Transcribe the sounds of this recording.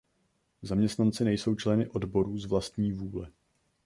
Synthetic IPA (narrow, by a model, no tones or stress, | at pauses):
zamɲɛst̪nant͡sɪnɛjso̞wt͡ʃlɛnɪʔo̞dbo̞ɾuːzvlast̪ɲiːvuːlɛ